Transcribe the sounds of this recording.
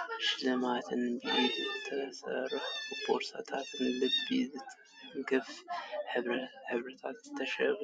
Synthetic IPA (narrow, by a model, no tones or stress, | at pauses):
ʃlɨmat̪ʰɨnbijomzɨt̪ʰːɐsɐ̰rɨħpʰoɾsa̰t̪ʰat̪ʰɨnlɨd̪bizɨ | ŋkɨfħɨħɨβɾɨt̪ʰat̪zɨt̪ʰːɐʃɛβ